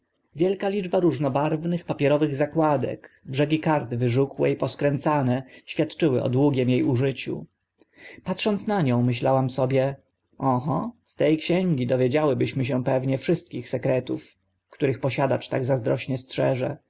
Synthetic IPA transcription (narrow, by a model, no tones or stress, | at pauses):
vʲjɛlkalʲid͡ʐbaɾuʐnɔbaɾvnɘxpapʲjɛɾɔvɘɣzakwad̪ɛ̰kbʐɛɡʲikaɾt̪ɘvɘʐukwɛipɔskɾɛnt̪sanɛɕfʲjat̪t͡ʂɘwɘ̰ʔɔ̰d̪wuɡʲjɛmjejuʐɘt͡ɕṵ | pat̪ʂɔnt̪snaɲɔ̃w̃mɘɕlawamsɔbʲjɛ | ʔɔɦɔst̪ɛjkɕɛŋɡʲid̪ɔvʲjed͡ʑawɘbɘɕmɘɕ̬ɛ̃pɛvɲɛfʂɘst̪̚kʲixsɛkɾɛt̪uf | kt̪uɾɘxpɔɕad̪at͡ʂt̪aɡzazd̪ɾɔɕɲɛstʂɛʐɛ